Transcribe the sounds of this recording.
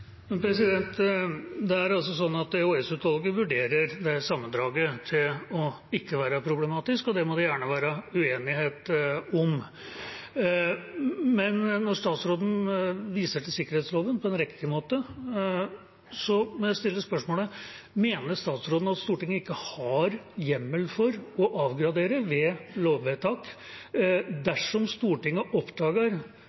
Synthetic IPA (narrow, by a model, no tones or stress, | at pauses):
mɛnpʰɾɛsɪd̪ɛnt̪ | d̪ɛæɾɑlsɔsɔnːɑt̪ɛuːɛsʉːt̪ʋɑlɡəʋʉɖeːɾəɾd̪ɛsɑmːənd̪ɾɑːɡət̪ʰɪlɔ | ɪkːəʋæːɾəpʰɾʊblɛmɑːt̪ɪskɔd̪ɛmɔd̪ɛjæːɳəʋæːɾəʉeːnɪheːt̪ɔm | mɛnnɔʂt̪ɑːt̪sɾoːd̪n̩ʋiːsəʈɪlsɪkːəɾheːt̪sloːʋənpʰɔɛnɾɛkt̪ɪmoːt̪ə | sɔmɛɛst̪ɪlːəspœʂmoːlə | meːnəʂt̪ɑːt̪sɾoːd̪n̩ɑt̪st̪uːʈɪŋːəɪkːəhɑɾjɛmːəlfɔɾɔʔɑːʋɡɾɑd̪eːɾəʋɛloːʋʋeːt̪ʰɑːk | d̪æʂɔmst̪uːʈɪŋːəʔɔpd̪ɑːɡəɾ